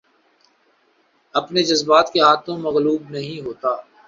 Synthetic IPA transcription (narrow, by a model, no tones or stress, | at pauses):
ɐpned͡ʒɐzbaːt̪keɦaːt̪ʰõmɐɣluːbnɐɦĩɦoːt̪aː